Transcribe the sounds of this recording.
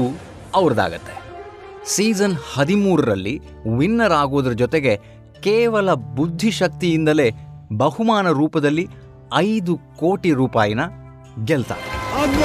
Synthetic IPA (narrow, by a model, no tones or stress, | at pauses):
ɐʋɾɐd̪a̰ːɡɐt̪ːe̥ | siːd͡ʒɐnhɐd̪imuːɾɐɾɐlːi | ʋinːɐɾaːɡo̞ːd̪ɐɾɐd͡ʒɔt̪eɡe̞ | keːʋɐlɐbud̪ʱːiʃɐk̚t̪ijind̪ɐle̞ːbɐhumaːnɐɾuːpɐd̪ɐlːi | ɐjd̪uko̞ːʈiɾuːpaːjɐnɐ | ɡɛlt̪a̰